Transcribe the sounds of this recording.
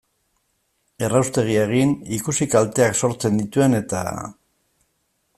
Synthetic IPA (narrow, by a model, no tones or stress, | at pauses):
e̞rawst̪e̞ɣ̞ieɣ̞inikusikalt̪e̞akso̞ɾt͡se̞nd̪it̪ue̞ne̞t̪a̰